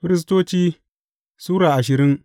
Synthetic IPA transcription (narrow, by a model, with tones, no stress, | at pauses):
ɸɪ˦ɾɪ˦s̬toː˦t͡ʃiː˦ | suː˦ɽaː˨ʔa˨ʃ̬ɪ˨ɾɪ˦ŋ